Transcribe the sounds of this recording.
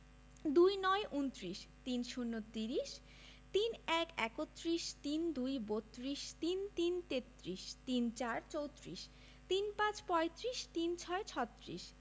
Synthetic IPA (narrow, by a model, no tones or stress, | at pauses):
d̪ujnɔeʔunt̪ɾiʃt̪inʃunːot̪iɾiʃ | t̪inɛkɛkot̪ːɾiʃt̪ind̪ujbot̪ːɾiʃt̪int̪int̪et̪ːɾiʃt̪int͡ɕaɾt͡ɕowt̪ɾiʃ | t̪inpãt͡ɕpɔet̪ɾiʃt̪int͡ɕʰɔet͡ɕʰɔt̪ːɾḭʃ